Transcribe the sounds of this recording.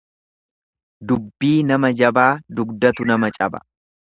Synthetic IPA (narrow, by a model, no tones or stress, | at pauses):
d̪ʊbːiːnɐmɐd͡ʒɐbaːd̪ʊɡd̪ɐt̪ʊnɐmɐt͡ʃʼɐbɐ̥̰